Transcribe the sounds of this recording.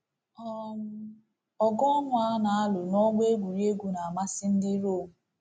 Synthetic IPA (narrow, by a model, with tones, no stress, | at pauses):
ɔ˦m̩˦ | ɔ˨ɡɔ˦ɔ˦nʊ˦a˦na˨a˦lʊ˨nɔ˦ɡ͡be˦ɡʷu˨ɾi˦e˦ɡʷu˨na˨a˨ma˦sɪ˦n̩˦dɪ˦ɾo˦˨mu˨